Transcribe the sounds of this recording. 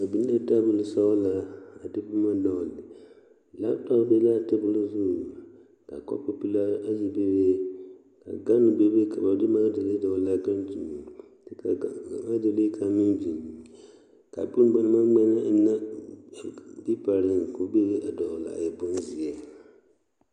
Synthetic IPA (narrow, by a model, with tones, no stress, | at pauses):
a˨bi˦n˦la˦ta˦bu˨lɨ˦sa˦la˨a˨dɨ˦bu˦ma˦dɔ˨lɪ˨ | la˦tɔ˦be˦la˦˨tɨ˦bu˦lu˦zu˦˨ | ka̰˨kɔ̰˦po˦pi˦la˦a˦ji˦be˦be˦ | ka̰˨ɡa˦nu˨be˦be˦ka˨ba˨dɨ˦ma˦de˨le˦dɔ˨la˦ɡa˦nd͡ʒu˨ | tka˨a˨ma˦de˨le˦kʰa˨mi˦nbi˨n˨ | ka˨bu˦n˦ɡ͡ba˨n˦ma˦ŋ͡ma˦na˦˨na˦˨ | bi˦pa˨ɾɨ˨nko˨be˦be˦ʔa˨dɔ˨la̰˨a̰˨jɛ˨bʊ˦nzi˨ɛ˨